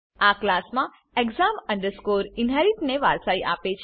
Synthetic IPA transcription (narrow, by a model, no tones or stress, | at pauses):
aklasmã | ekzaməɳɖəɾskoɾɪnɦaɾiʈneʋaɾsaiʔapet͡ʃʰ